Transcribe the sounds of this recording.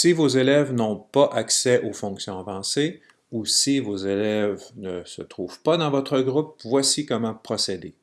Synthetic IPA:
sivozelɛvnɔ̃paʔaksɛʔofɔ̃ksjɔ̃avɑ̃ːse | usivozelɛvnəsə̰t̪χuːv̥pad̪ɑ̃vɔt̪χəɡʁup̚vwasikɔmɑ̃pχɔsed̪e

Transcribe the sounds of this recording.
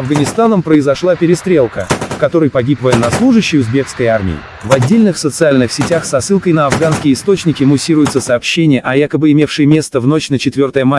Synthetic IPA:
ɐvɡənʲɪst̪anəmpɾəɪzɐʂlˠapʲɪɾʲɪst̪ɾʲe̞lˠkəfkɐt̪o̞ɾəjpɐɡʲipvəjnɐslˠuʐɨɕːɪjʊzbʲe̞kskəjarmʲɪ̰ɪ̰ | vɐdʲːelʲnɨxsət̪sɨalʲnɨxsʲɪtʲaxsɐsːɨlˠkəjnəɐvɡanskʲɪjəɪst̪o̞t͡ɕnʲɪkʲɪmʊsʲiɾʊjʊt̪səsɐːpɕːenʲɪjəʔɐjakəbɨɪmʲe̞fʂɨjəmʲe̞st̪əvno̞t͡ɕnət͡ɕɪt̪vʲo̞rt̪əjəma

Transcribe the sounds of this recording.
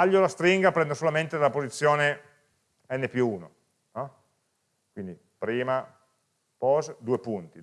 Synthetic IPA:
aʎːolast̪ɾiŋɡapɾɛnd̪osolament̪ed̪alapozit̪sːjoːne | ɛnːepuuːno | nɔ | kwind̪i | pɾiːma | pɔzd̪uːepunt̪i

